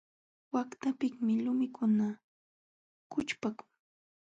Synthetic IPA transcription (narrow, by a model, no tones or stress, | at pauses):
wakt̪apɪŋmɪlʊmɪkʰʊna | kʊt͡ʃpakʊ̥ŋ